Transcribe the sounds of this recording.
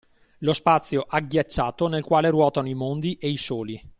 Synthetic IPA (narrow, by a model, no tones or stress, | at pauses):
lospat̪sːjoʔaɡjat͡ʃːaːt̪onelkwaːleɾwɔːt̪anoimond̪iʔeisoːli